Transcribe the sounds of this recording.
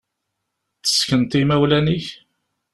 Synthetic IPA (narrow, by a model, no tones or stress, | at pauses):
t͡sːə̥skənt̪imæwlæniç